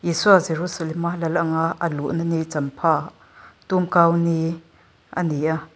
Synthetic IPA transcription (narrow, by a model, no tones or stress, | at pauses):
jisuazeɾusalɛmalɛlʔaŋaʔəluʔnənit͡sɐmpʰa | t̪umkawni | ʔə̰niʔa